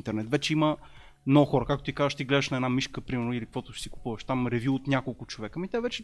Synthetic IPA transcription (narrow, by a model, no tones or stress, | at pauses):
nt̪ɛɾnɛt̪vɛt͡ʃɛimə | mnɔɡʊxɔɾəkakt̪ot̪ikazəʃt̪iɡlɛd̪əʃnɐɛd̪namiʃkəpɾimɛɾnʊilikvɔt̪ʊʃi̥siku̥puvɐʃt̪amɾɛvʲjuːt̪nʲakolˠkʊt͡ʃovɛkəmit̪ɛvɛt͡ʃɛ